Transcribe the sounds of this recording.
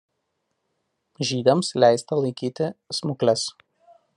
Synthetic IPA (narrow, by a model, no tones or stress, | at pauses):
ʒʲiːd̪ʲɛmslʲæˑɪst̪ɐlˠɐɪkʲiːt̪ʲɪsmʊklʲɛs